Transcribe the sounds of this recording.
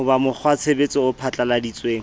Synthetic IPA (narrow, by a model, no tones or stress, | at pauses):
ʊbamʊk͡xʰwat͡sʰebet͡sʼɔʊpʰat͡ɬʼaladit͡sʼweːŋ̩